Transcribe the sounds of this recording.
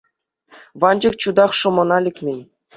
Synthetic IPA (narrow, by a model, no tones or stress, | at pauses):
ʋɑnd͡ʑɤ̆k̚t͡ɕud̪ɑχʂɤ̆mɤ̆nɑlʲikʲmʲenʲ